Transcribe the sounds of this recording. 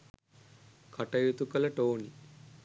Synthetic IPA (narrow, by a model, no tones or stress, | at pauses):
kʰɐʈɐjut̪ukɐlɐʈoːni